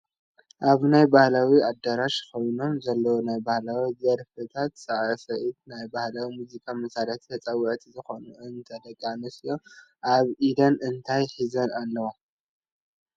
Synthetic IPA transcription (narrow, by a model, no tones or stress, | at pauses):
ʔaβnajbahlawiad̪ɐɾaʃkʰo̞jno̞mzɐlːɐwonajbahlawizɐɾfɨt̪ʰat̪sʼɨʕsɐʔit̪najbahlawimuzikʰʼamɐsaɾɐt̪ʰt̪ʰɐt͡sʼɐwɐʔt̪ʰizɨxo̞nuʔɨnt̪ʰɐd̪ɐkʼːanɨsɨjoʔaβʔid̪ɐnɨnt̪ʰajħizɐnalːɐwo